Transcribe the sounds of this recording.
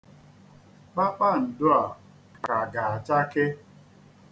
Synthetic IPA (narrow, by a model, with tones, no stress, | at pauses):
k͡pa˦k͡pa˦˨n̩˨dʊ˦a˨ | ka˨ɡa˨a˨t͡ʃa˦ke˦